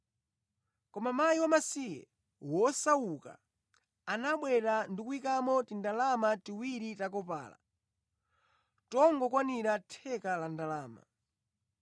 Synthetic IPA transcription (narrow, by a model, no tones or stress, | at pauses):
kɔmamajiwamasijɛ̰ | wɔsauka̰ː | naɓwɛɾandikuikamɔtindalamatiwiɾitak̬ɔpa̰ːla̰ | tɔŋɡɔkwaniɾatʰɛkalandalaːma̰